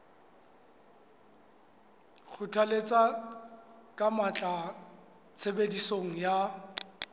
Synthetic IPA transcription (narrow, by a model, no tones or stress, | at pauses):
χʰʊtʰalet͡sʼa | kʼamat͡ɬʼa | t͡sʰebedisoŋ̩ja